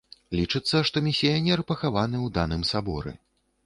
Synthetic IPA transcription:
lʲit͡ʂɨt̪sːɐʂt̪ɔmʲisʲijanʲɛrpɐxavanɨwd̪anɨmsabɔ̰ɾɛ̰

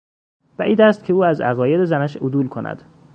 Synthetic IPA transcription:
bæʔiːd̪æst̪̚kcʰeuːæzæ̰ɣɒːje̞d̪ezænæʃod̪uːlkʰo̞nʔæ̰d̪̥

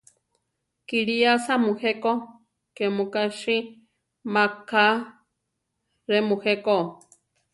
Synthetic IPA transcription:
kiɺiasamũheko | kemũkaʃi | maka | ɾemũheko

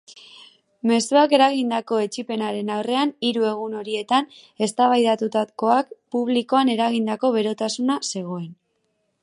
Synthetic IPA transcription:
me̞suake̞ɾaɣ̞ind̪ako̞e̞t͡ʃipe̞naɾe̞nawre̞aniɾue̞ɣ̞uno̞ɾie̞t̪ane̞st̪aβajðat̪ut̪at̪ko̞akpuβ̞liko̞ane̞ɾaɣ̞ind̪ako̞βe̞ɾo̞t̪asunase̞ɣ̞o̞e̞n

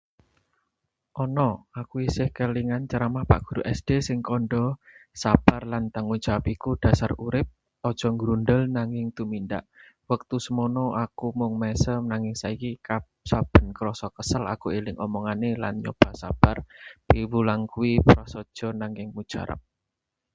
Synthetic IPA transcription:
ʔɔnɔakuisɪhkəliŋant͡ʃaɾamapa̰ʔɡ̥ṳɾuʔɛsd̥esɪŋkɔnɖɔsab̥arlant̪aŋu̥ʒ̥awapikud̥a̤saruɾɪp̚ | ɔd̥ʒ̥ɔ̤ŋɡɾundəlnaŋɪŋt̪uminda̰ʔ | wək̚t̪usəmɔnɔʔakumʊŋmɛsəmnaŋɪŋsaikikap | sab̥ə̤nkəɾɔsɔkəsəla̰kuelɪŋɔmɔŋanela̰nɲo̰b̥a̤sa̰b̥arpiwulaŋkuipɾɔsɔd̥ʒ̥ɔ̤naŋɪŋmu̥ʒ̥a̰ɾə̰p̚

